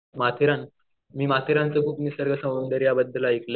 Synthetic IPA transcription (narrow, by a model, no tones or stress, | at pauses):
mat̪ʰiɾãn | miːmat̪ʰiɾãnt͡səkʰuːpnisəɾɡəsə̃ənd̪əɾjabəd̪ːəlaikle